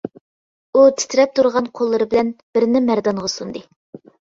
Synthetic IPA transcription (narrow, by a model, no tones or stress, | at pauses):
ut̪ʰɪ̥t̪ʰɪɾɛp̚t̪ʰuɾʁɑnqʰolˠːɨɾɨbɪlɛnbɪɾnɪmæɾd̪ɑɴʁɑsund̪ɨ